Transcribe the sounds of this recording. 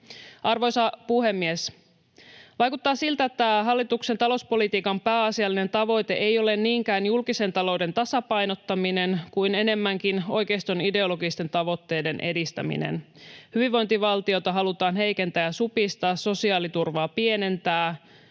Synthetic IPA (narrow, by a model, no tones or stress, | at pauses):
ɑrʋojsɑpuhe̞mːies | ʋɑjkut̪ːɑːsilt̪æet̪ːæɦɑlːit̪ukse̞nt̪ɑlo̞spo̞lit̪iːkɑmpæːɑsiɑlːine̞nt̪ɑʋo̞jt̪e̞ʔejo̞le̞nniːŋkæːnjulkise̞nt̪ɑlo̞wde̞nt̪ɑsɑpɑjno̞t̪ːɑmine̞nkujne̞ne̞mːæŋkino̞jke̞ist̪o̞nide̞o̞lo̞ɡist̪e̞nt̪ɑʋo̞t̪ːe̞jde̞nʔe̞dist̪æ̰mḭnḛn | hyʋiʋʋo̞jnt̪iʋɑlt̪io̞t̪ɑɦɑlut̪ɑːnɦe̞jke̞nt̪æjæsupist̪ɑːsso̞siɑːlit̪urʋɑːpie̞ne̞nt̪æː